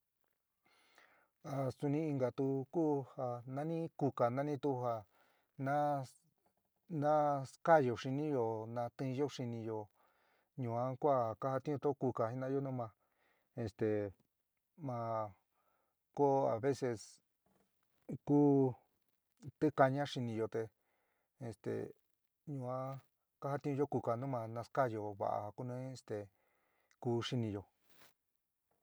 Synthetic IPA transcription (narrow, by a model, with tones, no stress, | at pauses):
a˨su˧nĩ˦i˧ŋɡa˨t̪u˧kuː˦ha˧nã˦nĩ˦ku˧ka˨nã˦nĩ˦t̪u˦˧ha˧ | nã˦ | nã˦ska˦˨jo˨ʂi˧nĩ˦jo˧nã˧t̪ĩ˦˧jo˦ʂi˧nĩ˧jo˧ | ɲũ˨ã˦kʷa˦˨ka˦ha˧t̪ĩ˦ũ˧t̪o˦ku˧ka˨hi˧nã˧˦jo˦nũ˦mã˧ | e˧st̪e˨ | mã˧ | ko˦a̰˨βe˦se˧s | kuː˦ | t̪ɨ˦ka˧ɲã˦ʂi˧nĩ˧jo˧t̪e˧ | e˧st̪ḛ˨ | ɲũ˧ã˦ | ka˦ha˧t̪ĩ˦ũ˧jo˦ku˧ka˨nũ˦mã˧nã˧ska˦jo˧βa̰˨ʔa̰˨˧ku˦nũ˦e˧st̪e˨ | kuː˦˧ʂi˧nĩ˧jo˨